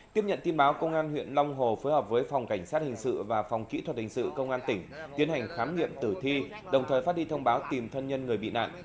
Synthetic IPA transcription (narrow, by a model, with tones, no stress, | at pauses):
t̪i˦˥əp̚ɲə̰˧˨nt̪i˧ənɓaː˨˦wkə˧wŋ͡mʔaː˧nhwḭ˧˨ənla˧wŋ͡mɦo˨˩fəː˨˦jhəː˨˩p̚vəː˨˦jfa˨˩wŋ͡mka˧˩jŋ̟saː˦˥t̚hï˨˩ŋ̟sɨ̰˧˨vaː˨˩fɔ˨˩wŋ͡mkḭ˧˥t̪wə˨˩t̚hï˨˩ŋ̟sɨ̰˧˨kə˧wŋ͡mʔaː˧nt̪ï˧˩ŋ̟t̪i˨˦ənha˨˩jŋ̟xaː˨˦mŋḭ˧˨əmt̪ɨ˧˩t̪ʰi˧ | ɗə˨˩wŋ͡mt̪əː˨˩fa˦˥t̚i˧t̪ʰə˧wŋ͡mɓaː˨˦wt̪i˨˩mt̪ʰə˧nɲə˧nŋɨ˨˩əjɓḭ˧˨na̰ː˧˨nʔ